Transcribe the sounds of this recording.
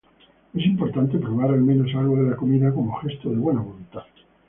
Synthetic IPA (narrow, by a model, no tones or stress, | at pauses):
e̞s̬impo̞ɾt̪ant̪epɾoβaɾalmẽ̞no̞salɣoðelako̞miðako̞moxe̞st̪oðeβwe̞naβolunt̪að